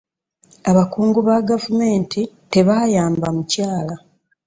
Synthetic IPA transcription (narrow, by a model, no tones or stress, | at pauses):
aβakuːŋɡuβaɡavume̞ːntʰite̞βajaːmbamucaːla